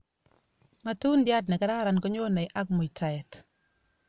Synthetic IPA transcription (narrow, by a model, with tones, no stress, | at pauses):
ma˦tu˦ndja˦t̬nɛ˨ka˦ɾa˦˨ɾa˨nkɔ˦ɲo˦na˨jʔa˦k̚mo˨itʰa˨jɛ˨t